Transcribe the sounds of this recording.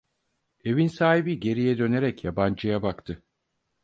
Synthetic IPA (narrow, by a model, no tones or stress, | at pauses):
e̞vinsaːɦibiɟe̞ɾijɛd̪ø̞ne̞ɾɛcjaband͡ʒɯjabakt̪ʰɯ